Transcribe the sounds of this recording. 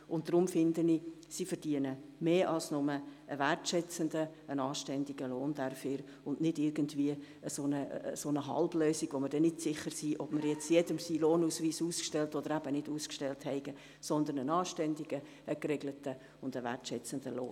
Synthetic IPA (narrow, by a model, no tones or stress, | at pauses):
ʊn̚d̥ɾʊmfɪndənisifəɾd̥iənəmeːʔɑlsnʊməəʋærtʃɛt͡səndəənɑːʃtɛndiɡəloːnd̥ɛɾfyːɾ | ʊnʔnɪdɪɾɡəntviə | əsoːnəsonəɦɑ̰lbløːsiɡ̥ʋoməɾd̥ɛnɪdsɪχəɾsiːʔɔb̥mɪɾjɛt͡sjɛdəmsiːloːnuːsʋiːsuːskʃtɛltɔd̪əɾæbənɪduːskʃtɛlthɛɪɡə | sɔnd̪ənənɑːʃtɛndiɡ̥ə | əkɾeɡlətə | ʊndəʋæ̰rtʃɛt͡səndəlo̰ːn